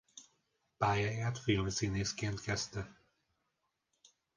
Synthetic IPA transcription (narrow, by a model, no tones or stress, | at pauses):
paːjajaːt̪filmsineːskeːnt̪kɛst̪ɛ